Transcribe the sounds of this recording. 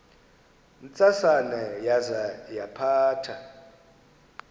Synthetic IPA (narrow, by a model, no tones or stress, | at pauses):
nt͡sʼasanɛjazajapʰaːtʰa